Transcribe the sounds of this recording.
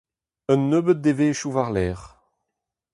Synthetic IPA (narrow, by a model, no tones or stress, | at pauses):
œnːøːbət̪̚d̪eveːʃuvaʁlɛːʁ